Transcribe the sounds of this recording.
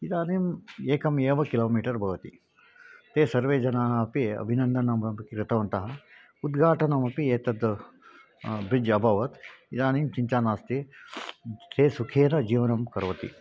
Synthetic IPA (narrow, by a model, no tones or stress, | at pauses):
id̪aːnimeːkɐmeːʋɐkiloːmiːʈɐɾbʱɐʋɐt̪ḭ | t̪eːsɐɾʋeːd͡ʒɐnaːɦɐɐpiɐ̰bʱinɐnd̪ʱɐnɐmɐkɾɪt̪ɐʋɐnt̪ɐɦɐ | ud̪ɡʱaːʈɐnɐmɐpieːt̪ɐd̪ | bɾid͡ʒɐbʱɐʋɐt̪id̪aːnimt͡ʃiɲt͡ʃaːnaːst̪e | t̪eːsukʰeːɾɐd͡ʒiːʋɐnɐmkɐɾʋɐt̪ḭ